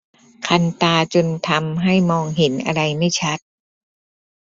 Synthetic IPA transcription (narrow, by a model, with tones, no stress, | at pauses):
kʰa˧nt̪aː˧t͡ɕo˧nt̪ʰa˧mɦa˥˩jmɔː˧ŋɦe˩˦nʔa̰˧ɾa˧jma˥˩jt͡ɕʰa˦˥t̪̚